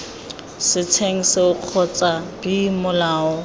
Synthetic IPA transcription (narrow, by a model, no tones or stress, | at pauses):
sɪt͡sʰeŋ̩sɪʊq͡χʰɔt͡sʼab̥imʊlaːɔ